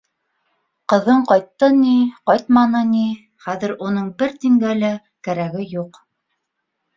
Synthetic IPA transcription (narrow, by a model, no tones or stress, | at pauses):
qɤ̆ðɤɴqɑjt̪ːɤniqɑjt̪mɑnɤni | χæðɘ̆ɾunɤɴbɘɾt̪iŋɡælæ | kæɾæɡɘjuq